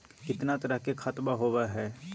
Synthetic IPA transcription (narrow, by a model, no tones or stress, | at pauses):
kɪt̪nat̪ɐɾəɦkekʰat̪maɦoːʋaɦɛː